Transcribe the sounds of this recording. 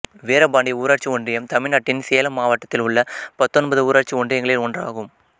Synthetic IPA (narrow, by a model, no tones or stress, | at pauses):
ʋeːɾɐbaːɳɖiuːɾaːɾt͡ʃiɔɳɖrɪjɐmt̪ɐmɪɭnɐːʈːɪnseːɐlɐmːaːʋɐʈːɐt̪ːɪlʊɭːɐpɐt̪ːɔnbɐðɯuːɾaːʈt͡ʃiɔɳɖrɪjɐŋɡɐɭɪlɔɳdra̰ːɣɯm